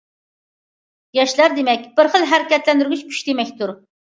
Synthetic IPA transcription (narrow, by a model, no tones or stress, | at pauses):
jɑʃlˠɑɾd̪emɛkʲb̥ɪɾχəlˠɦæɾɪkʲɛt̪lɛnd̪yɾɡʲyt͡ʃʲʰy̥ʃt̪emɛkʲt̪uɾ